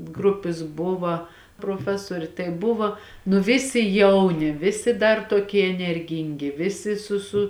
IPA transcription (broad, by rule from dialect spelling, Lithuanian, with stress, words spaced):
ˈɡrʊpʲɪs ˈbʊʋɐ proːˈfʲæːsuɔrʲeː tɐɪ ˈbʊʋoː nʊ ˈʋʲɪsʲɪ ˈjɛʊnʲɪ ˈʋʲɪsʲɪ dɐr toːˈkʲiɛ ɛnʲɛrʲˈɡʲiːŋʲɡʲɪ ˈʋʲɪsʲɪ sʊ sʊ